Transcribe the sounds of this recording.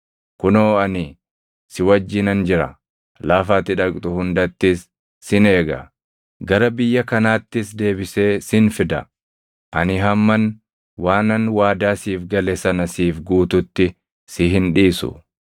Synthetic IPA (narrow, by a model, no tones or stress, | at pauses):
kʊnoːɐnɪ | sɪwɐd͡ʒːɪnɐnd͡ʒɪɾɐ̰ | laːfaːt̪ɪᶑɐkʼt̪ʼʊhʊnd̪ɐt̪ːɪsː | ɪne̞ːɡɐ̰ | ɡɐɾɐbɪjːɐkɐnaːt̪ːɪsd̪e̞ːbɪse̞ːsɪnfɪd̪ɐ̰ | ʔɐnɪɦɐmːɐn | waːnɐnwaːd̪aːsiːfɡɐlɛsɐnɐsiːfɡuːt̪ʊt̪ːɪ | sɪɦɪnᶑiːsʊ̰